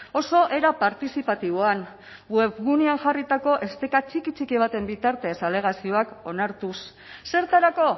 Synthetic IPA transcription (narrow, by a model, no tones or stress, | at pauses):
o̞so̞ʔe̞ɾapaɾt̪isipat̪iβ̞oan | we̞βɣuneanʝarit̪ako̞ʔe̞st̪ekat͡ʃikit͡ʃikiβ̞at̪e̞mbit̪aɾt̪e̞sale̞ɣ̞asio̞ako̞naɾt̪us | se̞ɾt̪aɾako̞